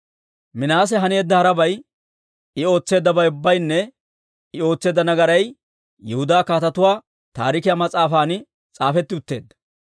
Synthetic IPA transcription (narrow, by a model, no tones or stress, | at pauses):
mɪnaːs̬ɛɦɐne̞ːd̪ːɐhɐɾɐbɐj | ɪo̞ːt͡sːe̞ːd̪ːɐbɐjʊbːɐjnːɛ | ɪo̞ːt͡sːe̞ːd̪ːɐnɐɡɐɾɐj | jɛhʊd̪aːkaːt̪ɐt̪ʊwaː | t̪aːɾɪkɪjaːmɐt͡sʼaːfaːnɪ | t͡sʼaːfɛt̪ːɪʊt̪ːeːd̪ːɐ̥